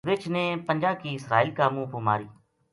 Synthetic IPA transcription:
ʋɪt͡ʃneːpənd͡ʒaːb̚kiːɪsɾa̰ːɪlkaːmũːpʊma̰ːɾiː

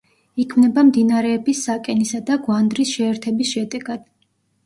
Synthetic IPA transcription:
ikʰmnɛbamd̪inaɾɛːbisːakʼɛnisad̪aɡwand̪ɾisʃɛːɾt̪ʰɛbisʃɛd̪ɛɡ̥ad̪̥

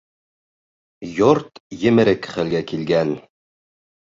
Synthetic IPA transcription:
joɾt̪jɘ̆mɘ̆ɾɘkχɘlɡækilɡæn

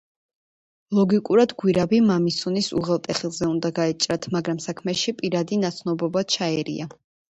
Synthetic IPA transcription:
lˠɔɡikʼuɾad̪ɡwiɾabimamisunisṵʁɛlˠt̪ʼɛχilˠzɛund̪aɡaɛt͡ʃʼɾat̪ʰmaɡɾamsakʰmɛʃipʼiɾad̪inat̪sʰnɔbɔbat͡ʃʰaɛɾḭa

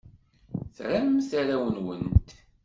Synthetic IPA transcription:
θɾammθaɾæwənwənt̪

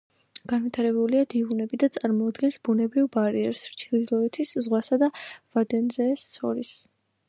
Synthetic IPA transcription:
ɡ̥anvit̪ʰaɾɛbuliad̪iunɛbid̪at̪sʼaɾmɔːd̪ɡɛnsbunɛbɾivbaɾiɛɾsɾt͡ʃʰilid̪lˠɔɛt̪ʰiszʁwasad̪avad̪ɛnzɛːssʰɔ̰ɾis

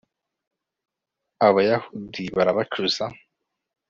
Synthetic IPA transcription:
aβajahudiβaɾaβat͡ʃuz̥a

